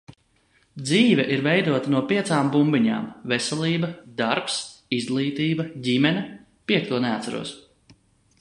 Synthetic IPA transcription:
d̪ziːvɛʔiɾvɛjd̪uɔt̪anuɔpʲiɛt̪saːmbumbiɲa̰ːmvesɛlˠiːbɐd̪aɾpsizɡlˠiːt̪iːbɐɟʲimɛnʲɐ | piɛk̚t̪uɔnɛːt̪saɾṵɔs

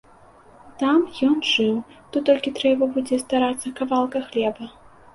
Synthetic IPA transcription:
t̪amjɔnʐɨwt̪ɔt̪ːɔlʲkʲit̪ɾɛbɐbud͡zʲɛst̪aɾat̪sːɐkavalˠkɐxlʲɛbɐ

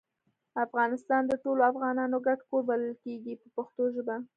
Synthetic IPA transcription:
afɣɑnɪst̪ɑnd̪əʈoloafɣɑnɑnoɡaʈkoɾbaləlkeɡipəpəxt̪oʒba

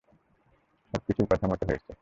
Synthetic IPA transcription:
ʃɔb̚kit͡ɕʰukɔt̪ʰamaʈ̪eɦojet͡ɕʰe

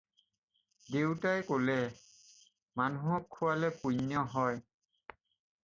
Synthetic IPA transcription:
dewtajkolɛ | manuɦɔkʰːuwalɛpujnjɔɦɔj

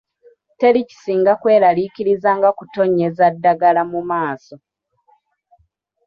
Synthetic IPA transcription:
te̞lici̥siːŋɡakwe̞ːlalikiɾizaːŋɡakuto̞ɲːe̞zadːaɡalamumaːso̞

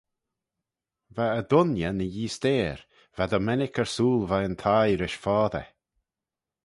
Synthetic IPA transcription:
vaəd̪ʊnjənəjiːst̪eːɾ | vad̪ɔmɛnɪkʰəɹsuːlvaənt̪ʰajɾɪʃfɔːðə̰

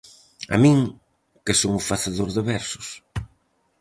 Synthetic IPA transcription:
a̰mĩŋ | kɪsoŋʊfaθeðoɾðeβɛɾsʊ̥s

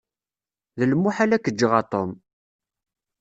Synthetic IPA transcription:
ðəlmːuħalækːəd͡ʒːəʁɑt̪ˤom

